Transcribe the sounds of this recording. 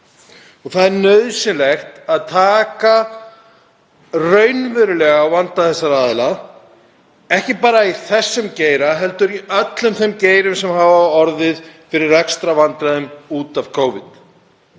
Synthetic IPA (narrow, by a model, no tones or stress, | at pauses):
ɔθaðɛɾnœðsɪnlɛxt̪aðt̪ʰaːka | rœɥnvʏɾʏlɛɣaawvant̪aθɛsːaɾaːðɪla | ɛhcɪpaːɾaiθɛsːʏmceːjɾaɦɛl̪t̪ʏɾiœt̪lʏmθemceːjɾʏmsɛmɦaːvawɔɾðɪðfɪɾɪɾːɛkst̪ɾavant̪ɾaðʏmuːt̪av̥kʰoːwvɪt̪